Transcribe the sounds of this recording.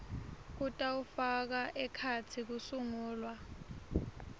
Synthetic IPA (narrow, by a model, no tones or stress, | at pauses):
k̬utʼaufak̬aʔɛkʰat͡sʰik̬usuŋuːlwa